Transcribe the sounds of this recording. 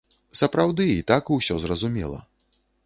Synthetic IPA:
sɐpɾawd̪ɨit̪akuwsʲɔzrɐzumʲɛ̰lˠɐ̰

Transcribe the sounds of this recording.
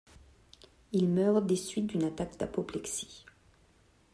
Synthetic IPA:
ilmœʁd̪esɥit̪̚d̪ynat̪akd̪apɔplɛksi̥

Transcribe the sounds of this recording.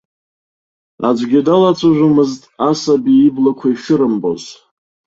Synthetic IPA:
a̰d͡ʒʷɡʲɪdalat͡sʷʰaʒʷʊmɨztʼasabiːblakʷʰaiʃɪɾɨmbo̞̰z

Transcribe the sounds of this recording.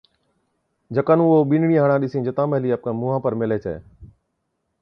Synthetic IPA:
d͡ʒəkənũːoːɓiːnɳĩːɦəɳ̃ãːɗɪsĩːd͡ʒət̪ãːməɦliːəp̚kãːmuːɦãːpəɾmɪleːt͡ʃə̰ḛː

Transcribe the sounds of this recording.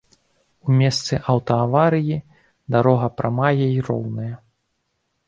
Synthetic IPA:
umʲɛst̪sɨʔɐwt̪ɐavaɾɨji | d̪aɾɔɣɐpɾɐmajɐiɾɔ̰wnɐjɐ

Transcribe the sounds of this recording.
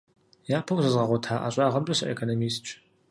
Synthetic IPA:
jaːpʰɐwzʷɨzʁɐʁʷʊtʰaːʔa̰ːɕʼɑːʁɐmtʼɐɕɐʔḛkʰonomiːst͡ʃʰʼ

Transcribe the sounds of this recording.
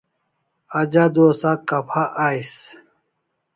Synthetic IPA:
ɐd͡ʑad̪oːsakɐpʰaʔaːjs

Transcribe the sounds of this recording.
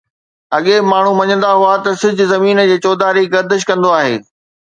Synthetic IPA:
ɐɠemaːɳ̤umɐɲə̃nd̪aɦʊat̪ɐsɪd͡ʑʱʊ̆zɐmiːnəd͡ʑeːt͡ɕɔːd̪aːɾiɡɐɾd̪əʃkɐ̃nd̪oaːɦḛː

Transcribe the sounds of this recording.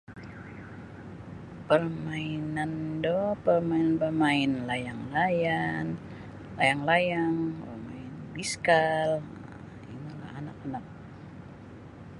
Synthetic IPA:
pərmainandɔpərmainanbəmaɪnlajaŋlajan | lajaŋlajaŋbəmaɪnbiskal | ḭmala̰hanak̚anak̚

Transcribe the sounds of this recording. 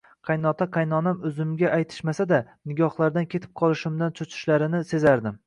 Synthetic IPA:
qʰɑjnɒt̪ʰaqʰɑjnɒnamɵzɪmɡʲaʔajt̪ʰɪ̥ʃmasad̪anɪɡʲɒhlˠaɾd̪ankʲʰe̞t̪ʰɪ̥p̚qʰɒlˠɪʃɪmd̪ant͡ʃʰʊt͡ʃʰɪ̥ʃlaɾɪnɪse̞zaɾd̪ɪm

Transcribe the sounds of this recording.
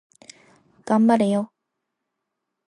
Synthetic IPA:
kambaɾejo

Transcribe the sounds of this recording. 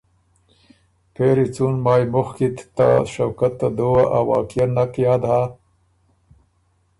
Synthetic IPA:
peɾit͡sunmɑːjmʊxkit̪t̪a̰ʃawkat̪ːad̪owaʔawa̰ːkijanakjɑːd̪a

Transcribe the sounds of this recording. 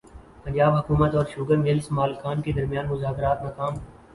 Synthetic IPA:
pəɲd͡ʒaːbɦɐkuːmət̪ɔːɾʃʊːɡəʋelɪsmaːlxaːnked̪ɐɾmijãːnmʊzaːkɾaːt̪mɐkaːm

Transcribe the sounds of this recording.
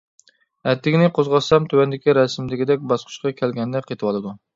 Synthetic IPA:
ɛt̪ʰːɪkʲinɪqʰozʁɑsɑmt̪ʰywɛnd̪ɪkʲiɾɛsmd̪ɪɡʲid̪ɛk̚ʲbɑsqʰʊ̥ʃqʰɑkʲʰælɡʲɛnd̪ɛqʰet̪ʰɨwɑlˠɨd̪u

